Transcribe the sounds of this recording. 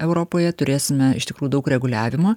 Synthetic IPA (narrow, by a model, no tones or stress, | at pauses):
ɛʊɾoːpoːjɛt̪ʊɾʲeːsʲɪmʲɛɪ̰ʃt̪ʲɪkɾuːjudɐʊkɾʲɛɡʊlʲæːʋʲɪmoː